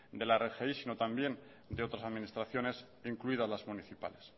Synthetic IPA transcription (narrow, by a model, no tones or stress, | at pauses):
d̪e̞laerexeisino̞t̪ambje̞n | d̪eo̞t̪ɾasaðmĩnist̪ɾaθjo̞ne̞s | iŋkluiðazlazmuniθipa̰le̞s